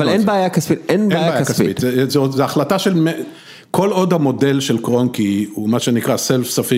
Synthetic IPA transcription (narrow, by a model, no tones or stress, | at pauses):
valenbeːjakasfitenbeajabajaasakfḭit̪zzeozeaχlataʃelme | ko̞lo̞dhamo̞de̞lʃe̞lkʁonkiumaʃenikʁaselfsafi